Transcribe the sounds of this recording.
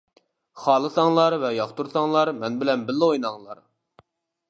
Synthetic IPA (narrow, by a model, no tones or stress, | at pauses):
χɑːlˠɨsɑŋlˠɑɾvɛjɑχt̪uɾsɑŋlˠɑɾmɛnbɪlɛnbɪlːɪojnɑŋlˠɑ̰ɾ